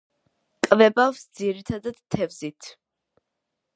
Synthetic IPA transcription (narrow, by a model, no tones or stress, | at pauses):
kʼvɛbafsd̪ziɾit̪ʰad̪ad̪̥t̪ʰːɛvzit̪ʰ